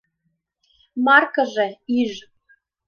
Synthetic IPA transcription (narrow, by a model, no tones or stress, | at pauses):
mɑrkəʒeiʒ